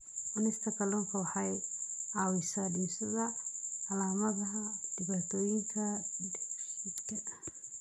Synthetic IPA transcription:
ʔʊnɪst̪ʰɐkʰɐlɔːŋkʰɐwɑħɑjʕaːwɪsadinsɐðɐːlaːmɐðɐɦɐd̪̥ɪβaːt̪ʰɔːjɪŋkʰɐ | ɪd̪kʰɐ

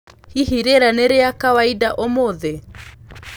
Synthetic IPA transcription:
hiɦiɾeɾaneɾeakawaidaʔomoðe

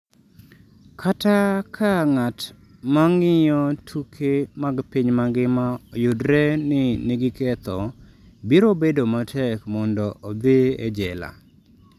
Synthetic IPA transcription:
kʰatakʰaŋat | maŋɪjɔtʰukʰemaɡpiɲmaɡɪmajʊdɾɛnɪniɡɪkɛt̪ɔ | biɾobedomatʰɛkmɔndɔʔɔd̪ɪḛd͡ʒɛla̰

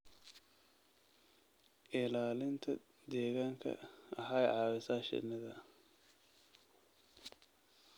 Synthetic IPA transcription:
ʔɪlaːlɪnt̪ʰɐ̰ | d̪ɛːɣaːŋkʰɐ̰ʔɐħajʕɑːwɛsaːʃɪ̰nɐðɐ

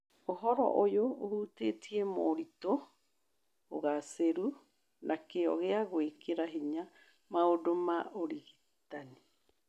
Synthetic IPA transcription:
oɦoɾo̰ʔojoohutetiemoːɾit̪o | ɣaseɾu | nʔakeo̰ɣeaɡoekeɾaɦiɲa | maodomaoɾiɡi | t̪ani

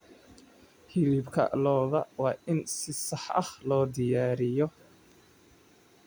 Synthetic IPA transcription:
hɪlɪbkʰɐ̰lɔːðɐwɑːʔɪnsɪsɑħʔɐ̰hlɔːd̪ɪjaːɾɪjɔ

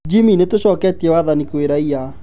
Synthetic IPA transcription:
d͡ʒiminetoɕɔːkɛtiɛwaðanikweɾaia

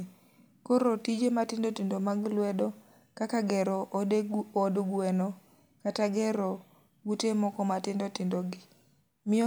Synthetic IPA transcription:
koɾotid͡ʒematɪndotɪndomaɡlwɛdɔ | kakaɡɛɾɔ | odɡuɛnɔ | kataɡɛɾɔ | ɡutemɔkɔmatɪndotɪndoɡɪ | mɪ

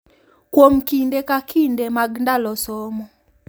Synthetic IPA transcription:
kwomkindekakʰindemaɡndalɔsɔmɔ

